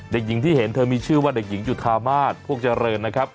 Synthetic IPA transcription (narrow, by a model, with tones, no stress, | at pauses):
de˨˩k̚ji˩˦ŋt̪ʰiː˥˩he˩˦nt̪ʰɤː˧miː˧t͡ɕʰɯː˥˩waː˥˩de˨˩k̚ji˩˦ŋt͡ɕu˨˩t̪̚ʰːaː˧maː˥˩t̪̚pʰu˥˩ək̚t͡ɕa˧ɾɤː˧nːa˦˥kʰɾa˦˥p̚